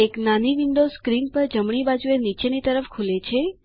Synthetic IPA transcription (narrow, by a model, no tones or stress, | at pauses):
eknaniʋiɳɖoskɾinpəɾd͡ʒəmɳ̃ibad͡ʒuenit͡ʃenit̪əɾəfkʰulet͡ʃʰe